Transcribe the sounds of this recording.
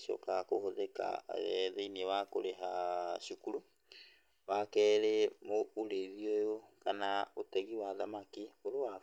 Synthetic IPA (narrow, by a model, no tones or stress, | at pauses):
ʃɔ̰kakohoðɛka̰a̰ɣɛðeiniewakoɾeɦaʃukuɾu | wakɛːɾemouɾeðiojokanaotɛɣiwaðamakioɾowa